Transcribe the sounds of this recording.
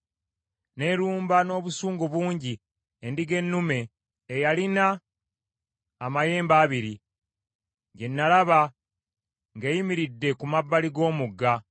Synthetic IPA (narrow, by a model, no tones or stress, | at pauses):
ne̞ɾuːmbano̞ːβusuːŋɡoβuːɲɟi | endiɡe̞nːume̞ː | jalina | maje̞ːmbaːβiɾi | ɟe̞nːalaβa | ŋɡejimiɾidːe̞kumabːaliɡo̞ːmuɡːa